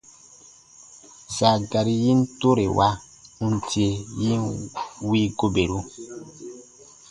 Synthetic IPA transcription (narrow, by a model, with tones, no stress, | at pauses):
za˨ɡa˨ɾi˦ji˦n˦to˦ɾe˨wʔa˦ | u˦n˨ti˦e˨ji˦wi˦ɡo˦be˨ɾu˦